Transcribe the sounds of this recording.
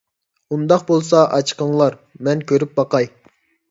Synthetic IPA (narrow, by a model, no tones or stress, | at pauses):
und̪ɑq̚bolˠsɑʔɑt͡ʃʰqəɴlˠɑɾmɛnkʲʰøɾyp̚bɑqɑj